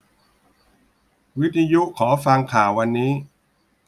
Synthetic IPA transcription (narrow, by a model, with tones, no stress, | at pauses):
wi˦˥t̪ʰːa˧ju˦˥ʔkʰːɔː˩˦fa˧ŋkʰaː˨˩wːa˧nːiː˦˥